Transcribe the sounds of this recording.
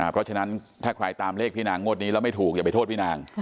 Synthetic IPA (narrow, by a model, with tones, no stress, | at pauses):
ʔa˨˩pʰɾɔ˦˥t͡ɕʰa˧na˦˥nt̪ʰaː˥˩kʰɾa˧jt̪aː˧mleː˥˩pʰiː˥˩naː˧˩ŋːo˥˩t̪̚ni˦˥lːɛ˦˥wma˥˩jt̪ʰuː˨˩k̚ja˨˩pa˧jt̪ʰoː˥˩t̪̚pʰiː˥˩naː˧ŋ